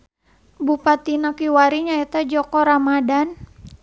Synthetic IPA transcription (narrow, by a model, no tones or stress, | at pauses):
bupat̪inakiwaɾiɲaɛt̪ad͡ʒɔkɔɾamadan